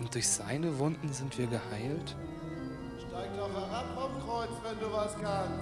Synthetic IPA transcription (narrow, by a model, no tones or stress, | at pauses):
ʊnt̚d̥ʊɐçz̥a̰ɪnəvʊndn̩zɪntv̥iːɐɡəhaɪlt | ʃtaɪk̚dɔχhɛʁapfɔmkʁ̥ɔɪt͡svɛnduːvaskaːn